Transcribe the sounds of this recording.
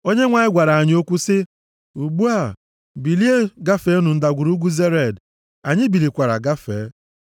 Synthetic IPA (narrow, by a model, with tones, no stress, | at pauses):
o˦ɲe˦ŋʷa˨ɲɪ˦ɡʷa˨ɾa˨a˨ɲ˦o˦kʷu˦sɪ˦ | u˨ɡ͡bu˦a˦˨ | bi˨li˦e˦ɡa˦fe˦nʊ˨n̩˦da˨ɡʷu˨ɾu˦ɡʷu˦ze˦ɾe˨d | a˨ɲɪ˦bi˨li˨kʷa˨ɾa̰˨ɡa˦fe˨˦